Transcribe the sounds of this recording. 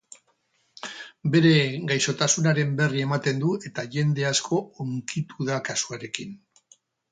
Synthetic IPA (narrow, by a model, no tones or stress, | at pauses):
be̞ɾe̞ɡajso̞t̪asunaɾe̞mbe̞rie̞mat̪e̞nd̪ue̞t̪aʝe̞nd̪e̞askʰo̞oŋkit̪uðakasuaɾe̞kin